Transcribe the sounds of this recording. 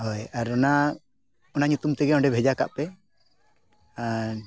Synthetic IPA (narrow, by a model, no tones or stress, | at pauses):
ɦɔjaɾɔna | ɔnaɲut̪umt̪ɛɡɛɔɳɖɛbʱɛd͡ʒaka̰ʔpɛ | a